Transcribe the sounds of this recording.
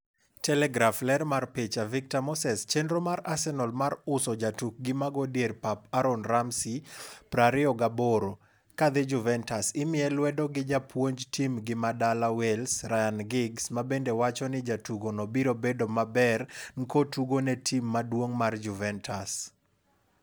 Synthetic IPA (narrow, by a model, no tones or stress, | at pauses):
tɛlɛɡɾaflɛɾmarpet͡ʃavɪk̚tamɔsɛst͡ʃendɾomaɾasɛnɔlmaɾʊsɔd͡ʒatuk̚ɡɪmaɡodjerpapaɾonɾamsipɾaɾɪɔɡaboɾo | kad̪ɪd͡ʒuvɛntasɪmɪɛlwɛdɔɡɪd͡ʒapʰwoɲd͡ʒtʰimɡɪmadalawɛlsrajanɡɪɡsmabendewat͡ʃɔnɪd͡ʒatuɡonɔbiɾobedomabɛrŋkotuɡonɛtʰimːadwoŋmard͡ʒuvɛntʰas